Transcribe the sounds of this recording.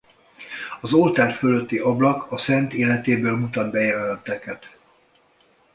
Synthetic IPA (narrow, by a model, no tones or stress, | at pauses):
ɒzolt̪aːrføløt̪ːiʔɒblɒkʰɒsɛnt̪eːlɛt̪eːbøːlmut̪ɒd̪bɛjɛvɛlɛnt̪ːɛkɛt̪